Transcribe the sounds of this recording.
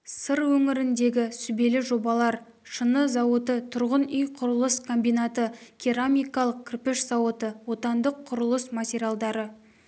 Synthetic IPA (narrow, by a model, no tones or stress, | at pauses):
səɾwɵŋɪɾɪnd̪e̞ɡʲɪsʏbe̞lɪʒo̞bɑlˠɑɾ | ʃənəzɑwət̪ət̪ʰʊɾʁənʏjqʰʊɾəlˠəskʰombijnat̪əkʲʰiɾamijkɑlˠəq̚kʲʰrpɪʃz̥ɑwət̪əwo̞t̪ɑnd̪əqʰːʊɾəlˠəsmatʲeɾʲjalˠd̪ɑɾə